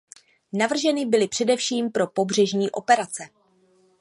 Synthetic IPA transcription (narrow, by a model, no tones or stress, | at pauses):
navr̩ʒɛnɪbɪlɪpr̝̥ɛdɛfʃiːmpɾo̞po̞br̝ɛʒɲiːʔo̞pɛɾat͡sɛ